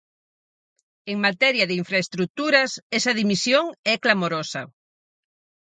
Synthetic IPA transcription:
eŋmat̪ɛɾjɐðeiɱfɾaest̪ɾuk̚t̪uɾɐsɛsɐðimisjoŋɛklamoɾosɐ̰

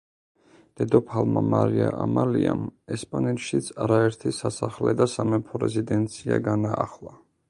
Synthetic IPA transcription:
d̪̥ɛd̪ɔpʰalˠmamaɾiaʔamaliamɛspʼanɛt̪ʃit̪sʰaɾaɛɾt̪ʰisasaχlɛd̪asamɛpʰɔɾɛzid̪ɛnt̪sʰia̰ɡanaːχlˠa

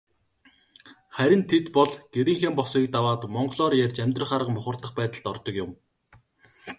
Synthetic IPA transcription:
χæɾʲɪ̆nt̪ʰet̪pɔɮɡ̥eɾiːŋxeːmpɔsiːk̚t̪awaːt̪mɔɴɢɮɔːrjærʲt͡ɕæmʲt̪rə̆χaɾə̆qmʊχə̆rt̪ə̆χpæːt̪ə̆ɮt̪ɔrt̪ɞ̆kjʊm

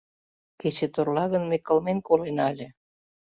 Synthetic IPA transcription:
ket͡ɕĕt̪orlɑɣənmekːə̆lmenkolenɑlʲĕ

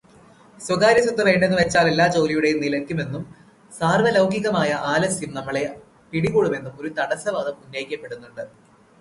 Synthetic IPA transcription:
swɐɣaːɾjɐsɐt̪ːɐʋe̞ːɳɖenːuʋe̞t͡ɕːaːle̞lːaːt͡ɕo̞ːlijuɽe̞jumnilɐkʲːume̞nːum | saːrʋɐlɐwɡiɣɐmaːjɐʔaːlɐsjumnɐmːɐɭe̞ | piɽiɣuːɽume̞nːumo̞ɾut̪ɐɽɐsɐʋɐd̪ɐmunːɐjikʲːɐpːe̞ɽunːuɳɖɨ

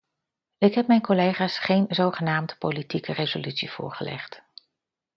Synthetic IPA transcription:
ɪkɦɛp̚mɛjnkolejχaːsχejnzowχənaːmdəpowlitikərezolytsiv̥ʊ̰ːɹχəlɛ̰χt

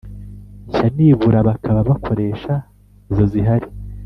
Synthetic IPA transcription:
içaniːβuɾaβakʰaβaβakʰo̞ɾe̞ːʃa | izo̞ziɦaɾi

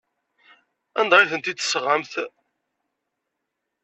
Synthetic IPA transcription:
ænd̪ʁɪθənt̪id̪ə̥sʁəmθ

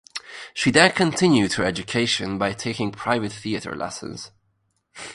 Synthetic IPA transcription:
ʃiðɛ̃kʰə̃ntʰɪ̃njʉd̥hə˞ɛd͡ʒɨkʰeɪʃə̃nbaɪtʰeɪkɪ̃ŋpʰɹ̥aɪvɨt̪̚θiəɾə̰˞lʔɛ̰sə̰̃nz̥

